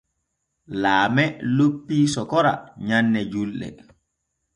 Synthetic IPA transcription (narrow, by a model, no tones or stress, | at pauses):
laːmɛlopːiːsɔkɔɾa̰ɲanːɛd͡ʒulɗɛ̰